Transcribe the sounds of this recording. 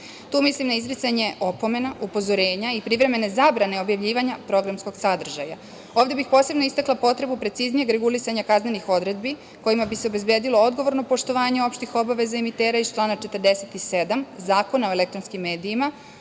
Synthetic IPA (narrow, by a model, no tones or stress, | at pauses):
t̪uːmislimnaizɾisaɲe̞ʔopo̞me̞naʔupo̞zo̞ɾe̞ːɲaipɾiʋɾe̞me̞ne̞zaːbɾane̞o̞bjavʎiːʋaɲapɾo̞ɡɾamsko̞ɡ̥sad̪r̩ʒa̰ja | oːvd̪e̞bixpo̞se̞bno̞ist̪aklˠapo̞t̪ɾe̞bupɾe̞t̪siznije̞ɡɾe̞ɡulisaɲakazne̞nixo̞d̪ɾe̞d̪̚bi | ko̞jimabiseobe̞zbje̞d̪iloo̞d̪ɡo̞ʋo̞ɾno̞po̞ʃt̪o̞ʋaːɲe̞o̞pʃt̪ixo̞baʋe̞zaemit̪eːɾaizt͡ʃlˠaːnat͡ʃe̞t̪ərd̪eset̪ise̞d̪amzaːko̞nao̞ele̞kt̪ɾonskimːe̞ːd̪iːma